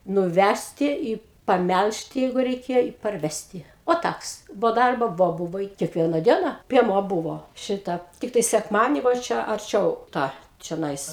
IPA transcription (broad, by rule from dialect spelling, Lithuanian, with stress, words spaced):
nʊˈʋʲæsʲtʲɪ ɪ pɐˈmʲælʲʃʲtʲɪ ˈjɛɪɡʊ rʲɛɪˈkʲeːjoː ɪ pɐrʲˈʋʲæːsʲtʲɪ oː ˈtɐks boː ˈdɐrboː ˈʋoː ˈbʊʋoː ɪ kʲɛkˈʋʲiɛnɐ ˈdʲiɛnɐ pʲiɛˈmuɔ ˈbʊʋoː ˈʃʲɪtɐ ˈtʲɪktɐɪ sʲɛkˈmɑːdʲiɛnʲiː ʋɐ ˈt͡ʃʲɛ ɐrʲˈt͡ʃʲɛʊ ˈtɑː t͡ʃʲoːˈnɐɪs